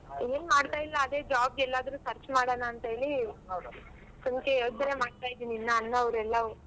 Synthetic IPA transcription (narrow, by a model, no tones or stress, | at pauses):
eːnmaːɽt̪aːjilːɐːd̪e̞ːd͡ʒaːb̚ɡɛlːaːd̪ɐɾuːsɐɾt͡ʃmaːɽoːnaːnt̪ɐɦeːɭi | sumkeoːd̪ɐneːmaːɽt̪aːjid̪ininːaɐnːɐɐʋɾɛlːɐu